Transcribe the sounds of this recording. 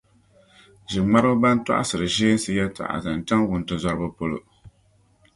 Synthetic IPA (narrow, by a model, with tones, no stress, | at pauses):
ʒɪ˨ŋ͡ma˦ɾɨ˦ba˦n˦ta̰˦ʔa̰˦sɨ˨ɾɨ˨ʒeː˦n˦sɨ˦jɛ˦tʰa̰˨ʔa̰˨zɨ˨n˨t͡ʃa˦ŋwʊ˨n˨tɨ˨za˦ɾɨ˦bɨ˦po˦lo̰˨